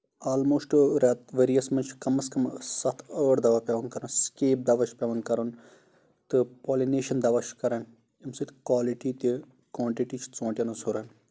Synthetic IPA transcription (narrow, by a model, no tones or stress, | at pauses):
aːlmoːsʈɾaːt̪ʋeːɾijɐsmɐnt͡ʃʰkɐmɐskɐmsɐt̪ʰəːɽd̪ɐʋaːpɛʋɐnkɐɾɐnskeːp̚d̪ɐʋɐt͡ʃʰpʲɛʋɐnkɐɾɐn | t̪ɨpoːlineːʃɐnd̪ɐʋat͡ʃʰkɐɾɐn | imsɨt̪kwaːliʈiːt̪i | kwãːɳʈiʈiːt͡ʃʰt͡sõːɳʈʲjɐnusuɾɐn